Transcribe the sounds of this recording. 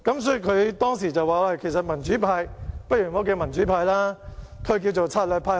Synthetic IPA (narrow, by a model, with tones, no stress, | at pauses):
kɐ˨˥msɔː˨˥jy˨˧kʰɵ˨˧ɥt̪ɔː˥ŋsiː˨˩t͡sɐ˨waː˨waː˧˩kʰe˨˩sɐ˨t̚mɐ˨˩nt͡ʃyː˨˥pʰaː˧jpɐ˥t̚ɥyː˨˩mɔː˨˥k̬ɛː˧mɐ˨˩nt͡ʃyː˨˥pʰaː˧jlaː˥kʰɵ˨˧ɥk̬iː˧wt͡so˨wt͡sʰaː˧t̚lœː˨˧pʰaː˧